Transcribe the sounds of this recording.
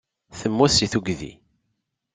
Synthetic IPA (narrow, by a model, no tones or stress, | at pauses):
θəmːusiθuɡðḭ